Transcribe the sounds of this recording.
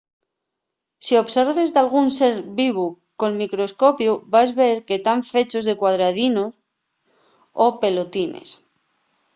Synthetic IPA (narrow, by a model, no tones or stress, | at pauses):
sio̞βseɾβe̞zd̪alɣunse̞ɾβiβu | ko̞lmikɾo̞sko̞pjubazβe̞ɾke̞t̪aɱfe̞t͡ʃo̞zðe̞kwaðɾað̞inos | ope̞lot̪inḛs